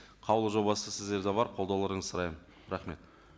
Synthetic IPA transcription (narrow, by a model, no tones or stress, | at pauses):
qʰɑwlˠəʒo̞bɑsəsɪzd̪e̞ɾd̪ɑbɑɾqʰo̞lˠd̪ɑwlˠɑɾəɴəzsəɾɑjmən | ɾɑχme̞t̪